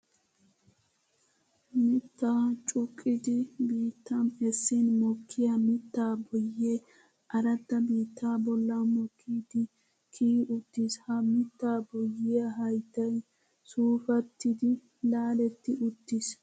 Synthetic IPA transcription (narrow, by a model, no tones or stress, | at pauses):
mɪt̪ːaːt͡ʃʼʊkʼːɪd̪ɪbiːt̪ːɐmɛsːɪnmɔkʰːɪjɐmɪt̪ːaːbɔjːeː | ʔɐɾɐt̪ːɐbiːt̪ːaːbɔlːɐmɔkʰːiːd̪ɪ | kʰiːʊt̪ːɪshɐmɪt̪ːaːbɔjːɪjɐɦɐjt̪ːɐj | suːfɐt̪ːɪd̪ɪ | laːlɛt̪ːɪʔʊt̪ːɪs